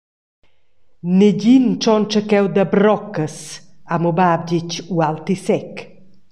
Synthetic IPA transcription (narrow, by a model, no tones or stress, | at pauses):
neɟint͡ʃɔnt͡ʃəkɛwd̪abɾɔkəsamobab̚ɟit͡ʃualt̪isɛk